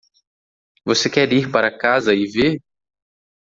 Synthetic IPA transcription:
vosekɛɾiɾpaɾɐkazɐɪveɾ

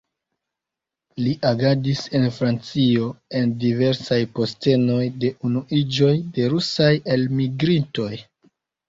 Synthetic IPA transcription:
liʔaɡadise̞nfɾant͡sio̞e̞ndive̞ɾsajpo̞ste̞no̞jde̞ʔunuʔid͡ʒo̞jde̞ɾusaje̞lmiɡɾinto̞j

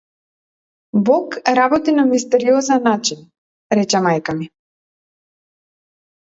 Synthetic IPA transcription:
bɔkɾabɔt̪inamist̪ɛɾiɔzɛnːat͡ʃin | ɾɛt͡ʃɛmajkami

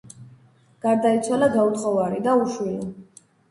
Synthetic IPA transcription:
ɡ̥aɾd̪ait̪sʰwalaɡaut̪ʼqʼɔvaɾid̪auʃwili

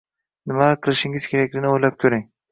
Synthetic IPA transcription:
nɪmaqʰɨlˠɪʃɪŋɪz̥kʲʰe̞ɾakʲlɪɡʲɪnɪojlap̚kʲʰɵɾɪŋ

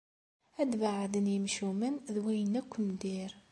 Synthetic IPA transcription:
æd̪vaʕðənjəmʃumənðwæjənækʷːnd̪iɾ

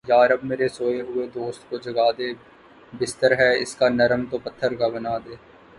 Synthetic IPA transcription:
jaːɾəbmeːɾesoːeɦʊed̪oːst̪kod͡ʒɐɡaːd̪e | bɪst̪əɾɦɛɪ̰skanɐɾəmt̪opɐt̪ʰːəɾkabɐnaːd̪eː

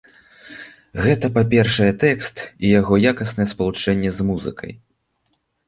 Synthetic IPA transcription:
ɣɛt̪ɐpapʲɛrʂɐjɛt̪ɛkst̪ijaɣɔjakɐsnɐjɛspɐlˠut͡ʂɛnʲːɛzmuzɨ̰kʰɐ̰j

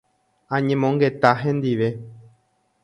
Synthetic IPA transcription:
ãɲẽmõŋɡe̞t̪aɦẽ̞nd̪iʋe̞

